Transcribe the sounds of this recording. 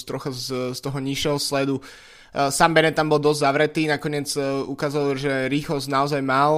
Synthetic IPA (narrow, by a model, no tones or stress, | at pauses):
st̪ɾɔxast̪ɔɦɔɲiʃjɛɦɔslɛd̪u | saːmbɛnɛt̪̚t̪ːambɔlˠd̪ɔzʲzaʋɾɛt̪iːnakɔɲɪɛd͡zukazalʒɛɾiːxlɔznaɔzajmal